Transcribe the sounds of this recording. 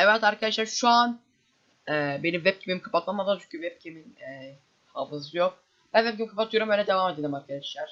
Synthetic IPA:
ɛvat̪aɾkʰad̪aʃlˠaɾʃuan | ɛːbe̞nivɛp̚cʰimimkʰapʰat̪lˠanmad̪ant͡ʃʰy̥ɲcʰyvɛp̚cʰiminɛ | hafɯzɯjok̚ | b̥ænvɛp̚c̬ʰimikʰapat̪lˠɯjoɾumølʲɛd̪evaːmet̪d̪ed̪imaɾkʰad̪aʃlˠaɾ̥

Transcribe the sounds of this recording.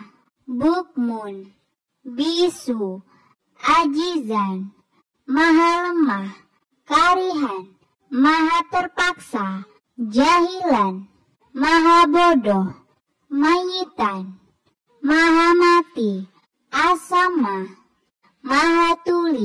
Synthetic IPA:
buk̚mun | bisu | ad͡ʒizan | maɦaləmah | kaɾiɦan | maɦat̪ərpaksa | d͡ʒaɦilan | maɦabɔdɔh | majit̪an | maɦamat̪i | ʔasamah | maɦat̪uli

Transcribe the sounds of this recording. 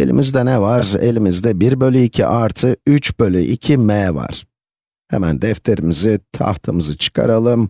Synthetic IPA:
e̞̰lʲḭmizd̪ɛnɛvaɾe̞̰lʲimizd̪ɛbiɾbø̞lʲyicʰḭʔaɾt̪ʰɯyt͡ʃb̥ø̞lʲy̰ʔḭcʰimɛva̰ɾ̥ | hɛ̰mænd̪ɛft̪ʰeɾimizit̪ʰa̰xt̪ʰɯmɯzɯt͡ʃʰɯ̥kʰa̰ɾalˠɯm

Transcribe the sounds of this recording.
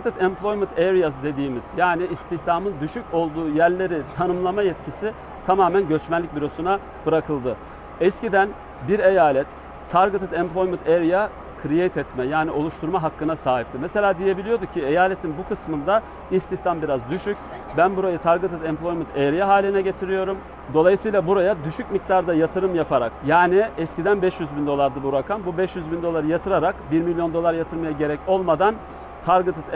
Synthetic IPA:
t̪ʰɯt̪ʰɛmplˠo̞jmɯnt̪ʰeɾijasd̪e̞d̪iːmiz̥jaːniːst̪ʰiçt̪ʰaːmɯnd̪yʃyco̞lˠd̪uːjæɾlʲe̞ɾit̪ʰanɯmlˠamajɛt̪cʰisi | t̪ʰamaːmænɟø̞t͡ʃmænlʲːicbiɾo̞suna | b̥ɯɾakʰɯlˠd̪ɯ | ɛscid̪æn | biɾe̞jaːlʲɛt̪ʰː | aɾɡɯt̪ʰɯt̪ɛmplˠo̞jmɯnt̪ʰeɾija | kʰɯɾijejt̪ʰɛt̪mɛjaːniʔo̞lˠuʃt̪ʰuɾmaɦakːɯnasaːɦip̚t̪ʰimɛse̞lʲaːd̪ije̞bilʲijo̞d̪ucʰiejaːlʲe̞t̪ʰinbukʰɯsmɯnd̪a | ist̪ʰiht̪ʰambiɾazd̪yʃyc | bænbuɾajɯt̪ʰaɾɡɯt̪ʰɯt̪ɛmplˠo̞jmɯnt̪ʰeɾijaɦaːlʲinɛɟe̞t̪ʰiɾijo̞ɾum | d̪o̞lˠajɯsɯjlˠabuɾajad̪yʃycmic̚t̪aɾd̪ajat̪ʰɯɾɯmjapʰaɾa̰kjaːniɛscid̪ænbɛʃjyzbind̪o̞lˠaɾd̪ɯbuɾakʰambubɛʃjyzbind̪o̞lˠaɾɯjat̪ʰɯɾaɾakbiɾmilʲjo̞nd̪o̞lˠaɾjat̪ʰɯɾmajaɟe̞ɾɛco̞lˠmad̪an | t̪ʰaɾɡɯt̪ʰɯt̪ʰ

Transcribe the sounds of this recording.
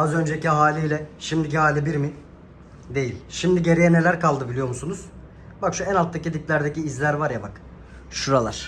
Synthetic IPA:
azø̞nd͡ʒeciɦaːlʲijlʲɛʃimd̪ic̬iɦaːlʲibiɾmi | d̪e̞jilʲʃimd̪iɟe̞ɾijɛne̞lʲæɾkʰalˠd̪ɯbilʲijo̞musunuz̥ | bakʃuænalˠt̪ʰːacid̪iclʲæɾd̪eciːzlʲæɾvaɾjabak | ʃuɾalˠa̰ɾ̥

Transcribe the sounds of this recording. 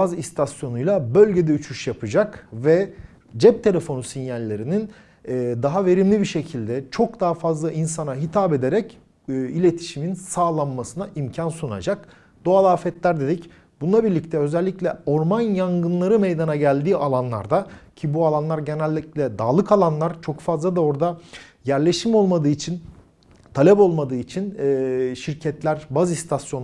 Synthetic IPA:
azist̪ʰasjo̞nujlˠabø̞lʲɟe̞d̪ɛyt͡ʃʰyʃjapʰɯd͡ʒakvɛ | d͡ʒɛp̚t̪ʰe̞lʲe̞fo̞nusinjalʲːe̞ɾininː | d̪aɦave̞ɾimlʲibiʃe̞cʰilʲd̪ɛt͡ʃʰo̞kd̪aɦafazlˠaʔinsanaɦit̪ʰabe̞d̪e̞ɾɛcː | ilʲe̞t̪ʰi̥ʃiminsaːlˠanmasɯnaʔimcʰansuna̰d͡ʒak | d̪̥o̞alˠaːfɛt̪lʲæɾd̪e̞d̪ɛc | bununˠabiɾlʲic̚t̪ʰɛø̞zɛlʲːiclʲɛo̞ɾmanjaŋɡɯnlˠaɾɯmejd̪anaɟælʲd̪iːʔalˠanlˠa̰ɾd̪acʰibualˠanlˠaɾɟe̞nælʲːiclʲɛd̪aːlˠɯkalˠanlˠaɾt͡ʃʰo̞kfazlˠad̪ao̞ɾd̪ajæɾlʲe̞ʃimo̞lˠmad̪ɯːit͡ʃʰin | t̪ʰalʲɛpo̞lˠmad̪ɯːit͡ʃʰinːʃiɾcʰɛt̪lʲæɾbazist̪ʰasjo̞n

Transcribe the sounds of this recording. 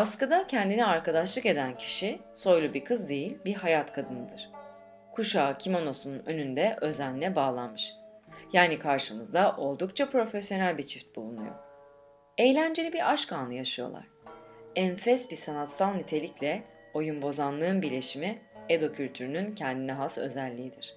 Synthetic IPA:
b̥askad̪acʰɛnd̪iniaɾkad̪aʃlˠɯke̞d̪æncʰi̥ʃiso̞jlˠubikʰɯzd̪e̞jilʲbiɦajat̪kʰad̪ɯnɯd̪ɯɾ̥ | kʰuʃaːcʰimono̞sununø̞̰nynd̪ɛʔø̞zænːɛbaːlˠanmɯʃ | jaːnikʰaɾʃɯmɯzd̪aʔo̞lˠd̪ukt͡ʃʰapɾo̞fesjo̞nælʲbit͡ʃʰift̪̚bulˠunṵjo̞̰ɾ | e̞jlʲænd͡ʒelʲibiɾʔaʃkaːnɯjaʃɯjo̞̰lˠa̰ɾ̥ɛnfɛsbisanat̪salˠnit̪ʰe̞lʲicʰlʲɛ | o̞junbo̞zanlˠɯːnbiɾlʲe̞ʃimied̪o̞cʰylʲt̪ʰyɾynyncʰɛnd̪inɛɦasø̞̰zælʲːiid̪iɾ̝̥

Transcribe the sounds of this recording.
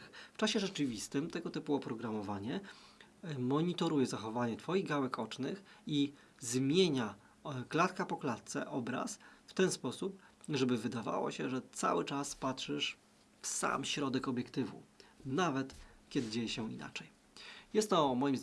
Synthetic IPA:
ft͡ʂaɕɛʐɛt͡ʂɘvʲist̪ɘmt̪ɛɡɔt̪ɘpuɔpɾɔɡɾamɔvaɲɛ | mɔɲit̪ɔɾujɛzaxɔvaɲɛt̪fɔjiɣɡawɛkɔt͡ʂnɘxi | zmʲjeɲa | klat̪kapɔklat̪̚t̪sɛ̰ʔɔbɾa̰sft̪ɛnspɔsup | ʐɛbɘvɘd̪ava̰wɔ̰ɕɛʐɛt̪sa̰wɘt͡ʂaspatʂɘʂ | fsa̰mɕɾɔd̪ɛkɔbʲjɛkt̪ɘvṵnavɛt̪kʲɛd̪ɘd͡ʑejɛɕɛḭna̰t͡ʂɛj | jɛst̪ɔmɔjimz

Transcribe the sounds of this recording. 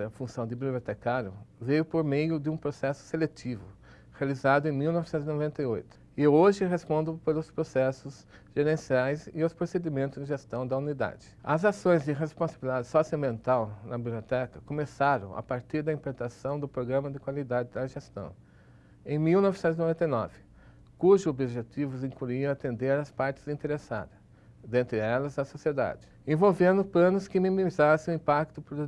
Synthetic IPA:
ɐfũsɐ̃w̃d̪ɪbiibliot̪ekaɾjʊvejʊpoɾmejʊd̪ɪũpɾosɛsʊ̥selet͡ʃivʊ | healizad̪ʊẽj̃miwnɔvɪsẽnt̪ʊzinovẽnt̪ɐjo̰jt̪ʊ̥ | ɪewoʒɪɦespõnd̪ʊpalʊspɾosɛsʊz | ʒ̥eɾẽsiajzɪʊspɾosed͡ʒ̪imẽnt̪ʊzd̪ɪʒest̪ɐ̃w̃d̪ɐũnid̪a̰d͡ʒɪɐzasõj̃zd̪ɪɦespõsabilid̪ad̪ɪsɔsjɐmẽnt̪awnɐbibliot̪ɛkɐkomesaɾɐ̰̃w̃ʔɐ̰paɾt͡ʃiɾd̪ɐĩmpɐ̃t̪asɐ̃w̃d̪ʊpɾoɡɾɐ̃mɐd̪ɪkwalid̪ad͡ʒɪd̪ɐʒest̪ɐ̰̃w̃ | ẽj̃miwnɔvɪsẽt̪zinovẽnt̪ejnɔ̰vɪ | kuʒʊobiʒet̪ivʊzĩŋkuluiɐ̃at̪ẽnd̪eɾɐspaɾt͡ʃɪ̥zĩnt̪eɾesa̰d̪ɐ | d̪ẽnt̪ɾɪɛlɐzɐsosied̪a̰d͡ʒɪ | ẽvowvẽnd̪ʊplɐ̃nʊskɪmimimizasẽʊ̃ĩpak̚t̪ʊpɾ

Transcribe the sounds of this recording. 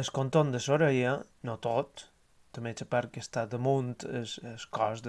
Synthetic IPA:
əskont̪ond̪əsoɾeʎə | not̪ot̪ː | əmet͡ʃəpaɾkəst̪aðəmunt̪əsəskɔsd

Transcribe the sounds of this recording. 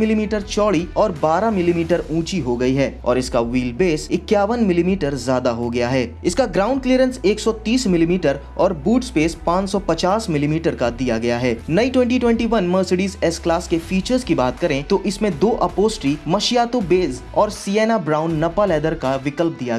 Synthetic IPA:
mɪlimiːʈəɾt͡ʃɔːɽiɔːɾbaːɾamɪlimiːʈəɾũːt͡ʃiɦoɡɐiɦɛːɔ̰ːɾɪskaʋiːlbeːsɪkːjaːʋənmɪlimiːʈəɾzjaːd̪aɦoɡɐjaɦɛː | ɪskaɡɾãːʊ̃ɳɖ̚kliːɾə̃nseːksɔt̪iːsmɪlimiːʈəɾ | ɔːɾbuːʈspeːspãːt͡ʃsɔpɐt͡ʃaːsmɪlimiːʈəɾkad̪ijaɡɐjaɦɛːnɐiʈwɛ̃ɳʈiʈwɛ̃ɳʈiʋɐnməːɾseɖiːzɛsklaːskefiːt͡ʃəɾzkibaːt̪kɐɾẽt̪oʔɪsmẽd̪oːʔɐpoːsʈɾimɐʃijaːt̪obeːz | ɔːɾsieːnabɾaːʊ̃nːɐpalɛːd̪əɾkaʋɪkəlp̚d̪ija

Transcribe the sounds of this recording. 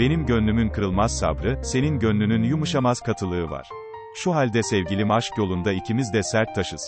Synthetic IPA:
b̥e̞nimɟønlʲymynkɯɾɯlˠmazsa̰bɾɯse̞ninɟønlːʲymynjumuʃamaz̥kʰat̪ʰɯlˠɯːva̰ɾ̥ | ʃuɦalʲd̪ɛsɛvɟilʲimaʃkjo̞lˠund̪aicʰimizd̪ɛsæɾt̪ʰːaʃɯz̥

